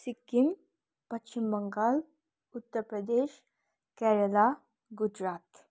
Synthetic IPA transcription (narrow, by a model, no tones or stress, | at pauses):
sikːim | pɐt͡ʃimbəŋɡal | ʊt̪ːəɾpɾəd̪eːʃ | kɛɾəla | ɡud͡ʒɾaːt̪